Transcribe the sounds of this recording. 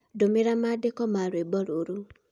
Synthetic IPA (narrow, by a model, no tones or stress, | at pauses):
domeɾamadekɔmaɾebɔɾoɾu